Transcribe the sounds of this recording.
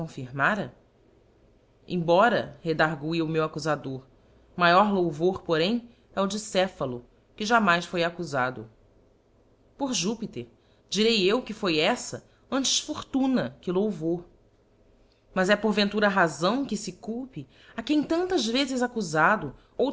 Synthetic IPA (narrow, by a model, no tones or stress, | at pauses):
õfiɾmaɾɐ | ḛ̃j̃bɔɾɐ̰hed̪aɾɡuiʊmewakuzad̪oɾ | majɔɾlowvoɾpoɾẽj̃ | ɛʊd͡ʒɪsɛfɐlʊ | kɪʒamajsfojakuzad̪ʊ̰ | poɾʒupit̪eɾ | d͡ʒiɾejewkɪfojɛsɐ̰ | ɐ̃nt͡ʃɪ̥ʃfoɾt̪ũnɐkɪlowvo | mɐzɛpoɾvẽnt̪uɾɐaːɦazɐ̃w̃kɪsɪkuwpɪ | akẽj̃t̪ɐ̃nt̪ɐzvezɪzakuzad̪ʊ | o